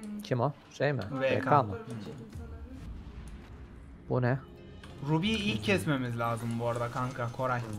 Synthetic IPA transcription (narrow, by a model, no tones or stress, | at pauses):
cʰimo | ʃejmɪ̰vɛɛkama | b̥unɛ | ɾubiːilʰːɛsme̞mizlʲaːzɯmbooɾad̪akʰaŋkʰakʰo̞ɾaj